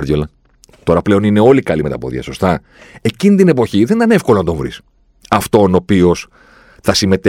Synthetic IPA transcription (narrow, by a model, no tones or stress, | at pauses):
ɾðjolɐ | t̪o̞ɾɐple̞o̞nine̞o̞likɐlime̞t̪ɐpo̞̰ðḭɐ̰so̞st̪ɐ | e̞cinit̪ine̞po̞çiðenit̪ɐnefkolo̞nɐt̪o̞ɱvɾḭs | ɐft̪o̞no̞pio̞s | θɐsime̞t̪e